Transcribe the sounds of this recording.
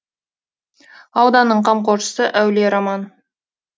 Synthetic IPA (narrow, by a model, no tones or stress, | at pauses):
ɑwd̪ɑnːəɴqʰɑmqoɾʃə̥səʔæwleɾɑmɑn